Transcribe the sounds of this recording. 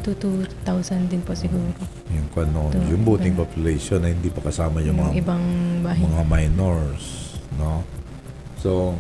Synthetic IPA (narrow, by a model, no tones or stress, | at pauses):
t̪ut̪ut̪awsɐnd̪ɪnposɪɡuːɾo | jʊŋkɐnoʔ̪jʊŋbuːt̪ɪŋpopjʊlɛjʃonːɐhɪnd̪ipɐkɐsaːmɐjʊŋmɐŋaɪbɐŋbaːɦɪmɐŋamajnoɹsno | so